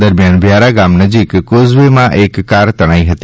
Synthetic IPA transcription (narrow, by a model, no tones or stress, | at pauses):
əɾmjanʋʱjaɾaɡamnəd͡ʒikːozʋemãʔekːaɾt̪əɽ̃aĩɦət̪i